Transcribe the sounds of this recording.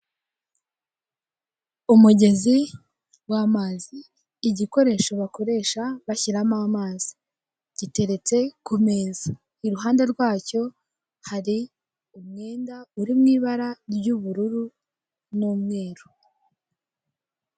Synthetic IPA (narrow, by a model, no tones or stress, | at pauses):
umuɟe̞zi | wamaziː | ɟiko̞ɾe̞ʃo̞βako̞ɾe̞ʃaβaçiɾamamaːzi̥ | ɟ̥ite̞ɾe̞t͡se̞kume̞ːza | iɾuɦaːnde̞ɾɡwaːco̞ | haɾi | umŋe̞ːndauɾimŋiːβaɾaɾɟuβuɾuɾu | nuːmŋe̞ːɾo